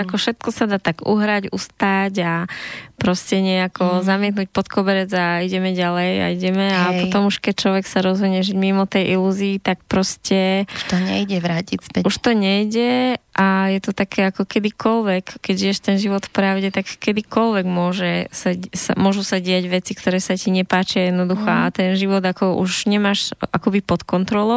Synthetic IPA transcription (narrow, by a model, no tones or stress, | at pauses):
akɔfʃɛt̪kɔsad̪aːt̪aɡuɦɾaɟṵst̪aɟapɾɔscɛɲɪɛjakɔzamɪɛt̪nuc̚pɔt̪kɔbɛɾɛd͡zaiɟɛmɛɟalɛja̰iɟɛmɛapɔt̪ɔmuʃkɛc̚t͡ʃlɔʋɛksaɾɔzɦɔɲɛʒiɟmimɔt̪ɛjʔiluːziːt̪ak̚pɾɔscɛʃt̪ɔɲɛjɟɛʋɾaːcispɛuʃt̪ɔɲɛjɟɛʔajɛt̪ɔt̪akʰɛːakɔkɛd̪ikɔlʋɛkːɛɟʒijɛʃt̪ɛnʒiʋɔt̪fpɾaʊɟɛt̪akːɛd̪ikɔlʋɛɡmʊɔʒɛsasa̰mʊɔʒusaɟɪaɟʋɛt͡sikt̪ɔɾɛːsaciɲɛpaːt͡ʃiajɛd̪nɔd̪uxɔat̪ɛnʒiʋɔd̪akɔʔṵʒɲɛmaʃakɔbipɔt̪kɔnt̪ɾɔlɔ